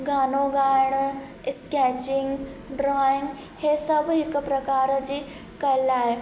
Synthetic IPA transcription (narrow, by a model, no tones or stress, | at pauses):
ɡaːnoɡaːjɳ̃ | skɛt͡ɕɪŋɡɖɾɔiŋɡ | hesɐbʱɦɪkpɾɐkaːɾd͡ʑiː | kɐlaːɦeː